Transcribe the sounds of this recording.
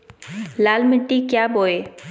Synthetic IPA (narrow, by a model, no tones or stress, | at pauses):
laːlmɪʈːikjaːboːeː